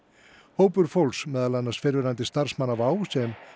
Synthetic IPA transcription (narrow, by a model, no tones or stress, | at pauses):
hoːwpʏɾfolsmɛːðalanːḁsfɪɾvɪɾant̪ɪst̪ar̥smanːavaːwsɛm